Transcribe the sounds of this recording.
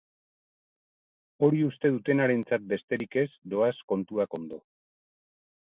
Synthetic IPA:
o̞ɾiust̪e̞ð̞ut̪e̞naɾe̞nt͡sat̪̚be̞st̪e̞ɾike̞zd̪o̞asko̞nt̪uako̞nd̪o̞

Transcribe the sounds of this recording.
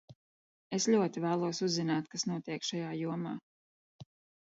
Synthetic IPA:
esʎʲuɔt̪ivæːlˠuɔsuzːinaːt̪kasnuɔt̪iɛkʃajaːjuɔmaː

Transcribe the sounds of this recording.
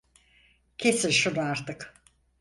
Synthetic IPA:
cʰe̞silʲʃunuaɾt̪ɯk

